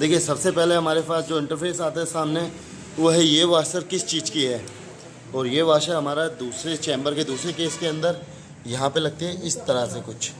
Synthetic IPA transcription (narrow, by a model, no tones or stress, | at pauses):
d̪eːkʰiesɐbsepɛɦleɦɐmaːɾepaːsd͡ʒoːɪ̃ɳʈəɾpʰeːsaːt̪asaːmne | ʋɐɦjeʋaːʃəɾkɪst͡ʃiːd͡ʒkiɦɛː | ɔːɾjeʋaːʃaɦɐmaːɾad̪uːsɾet͡ʃẽːmbəɾked̪uːsɾekeːskeɐ̃nd̪əɾ | jɐɦãpelɐɡ̚t̪eɦɛʔɪst̪ɐɾəsekʊt͡ʃʰ